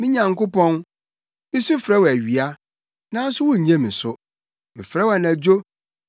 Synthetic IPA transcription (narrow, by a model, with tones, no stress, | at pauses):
mɪ̃˦ɲã˨ŋkʊ˦pɔ̃˦n | mɪ̃˦sʊ˦fɾɛ˦wæ˨ɥi˨a˦ | nã˦n˦sʊ˦wɔ̃˦˨ɲã˦mĩ˨sʊ˦ | mɪ̰̃˨fɾɛ˦wa˨næ˨d͡ʑᶣo˦